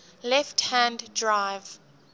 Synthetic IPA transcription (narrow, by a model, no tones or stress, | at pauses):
lɛfthæ̃nddɹaɪv